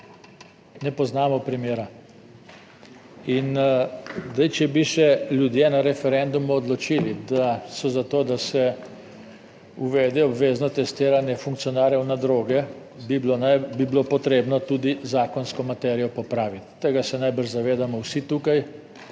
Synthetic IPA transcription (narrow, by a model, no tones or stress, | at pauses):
nɛpɔznaːmɔpɾimeːɾa | in | d̪ajt͡ʃɛbiʃɛljud̪jeːnaɾɛfɛɾɛnd̪umuɔd̪lɔt͡ʃiːlid̪asɔzat̪oːd̪asɛ | uʋɛːd̪ɛɔbʋeznɔt̪ɛst̪eːɾanjɛfuŋk̚t̪sijɔnaːɾjɛwnad̪ɾoːɡɛ | bibabiblopɔt̪ɾeːbnɔt̪ud̪izaːkɔnskɔmat̪ɛɾijɔpɔpɾaːʋit̪ːeɡasɛnajbəɾʒzaʋeːd̪amɔwsit̪ukaj